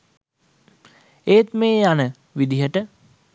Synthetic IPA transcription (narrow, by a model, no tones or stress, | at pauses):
eːt̪meːanə | ʋid̪iɦəʈə